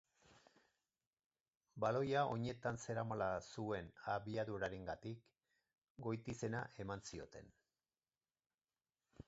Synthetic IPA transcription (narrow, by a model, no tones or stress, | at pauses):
balo̞jao̞ɲe̞t̪anse̞ɾamalasue̞naβiaðuɾaɾeŋɡat̪ik | ɡo̞jt̪ise̞naʔe̞mansio̞̰t̪e̞n